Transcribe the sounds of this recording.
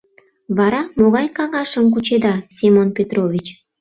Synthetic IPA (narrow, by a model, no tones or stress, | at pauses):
βɑɾɑmoɣɑjkɑɣɑʃəmk̬ut͡ɕed̪ɑsʲimonpʲet̪rovʲit͡ɕ